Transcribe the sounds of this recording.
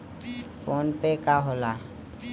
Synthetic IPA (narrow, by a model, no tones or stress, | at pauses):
fʰoːnpekaɦoːla